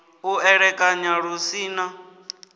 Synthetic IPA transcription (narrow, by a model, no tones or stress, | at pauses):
uɛɺɛkʼaɲaɺusiːna